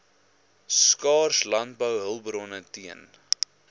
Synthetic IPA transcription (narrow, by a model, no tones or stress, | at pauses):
skɑːrslɐnt̚bəwɦəlˠbɾɔnətiən